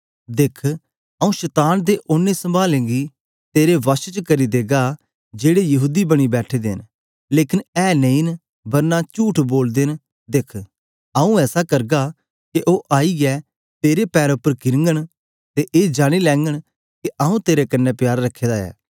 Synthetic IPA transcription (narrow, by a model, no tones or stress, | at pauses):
d̪ekʰ | ɐũʃɛt̪aːnd̪eʔonːesɐ̃mbaːlẽːɡi | t̪eːɾeʋɐʃt͡ʃəkɐɾid̪eːɡa | d͡ʒeːɽejɐɦuːd̪ibɐɽ̃ibɛːʈʰed̪ḛːn | leːkɪnɛːnə̃ĩːn | bɐɾnat͡ʃuːʈʰboːld̪en | d̪ekʰ | ɐũɛːsakɐɾɡa | keʔoːʔaːiɡɛ | t̪eːɾepɛːɾʊpːəɾkɪɾŋɡəɽ̃ | t̪eʔeːd͡ʒaːɽ̃ilɛ̃ːŋɡəɽ̃ | kiaũt̪eːɾekɐnːɛpjaːɾɾɐkʰːeːd̪aɛ̰ː